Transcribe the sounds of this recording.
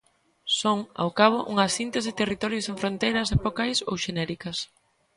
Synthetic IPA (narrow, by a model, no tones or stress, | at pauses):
soŋa̰wkaβ̞ʊʔṵŋɐsint̪esɪt̪erit̪ɔɾjʊsẽɱfɾõnt̪ejɾɐsepokajso̰wʃenɛɾikɐs